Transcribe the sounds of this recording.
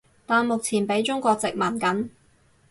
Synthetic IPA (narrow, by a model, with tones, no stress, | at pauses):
t̪aː˨˧nmʊ˨k̚t͡sʰiː˨˩npe˨˥jt͡ʃʊ˥ŋkʷɔː˧k̚t͡sɪ˨k̚maː˨˩nkɐ˨˥n